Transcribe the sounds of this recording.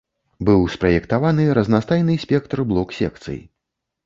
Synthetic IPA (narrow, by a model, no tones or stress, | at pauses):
bɨwspɾɐjɛkt̪avanɨɾɐznast̪ajnɨsʲpʲɛkt̪rblˠɔksʲɛ̰kt̪sɨ̰jḭ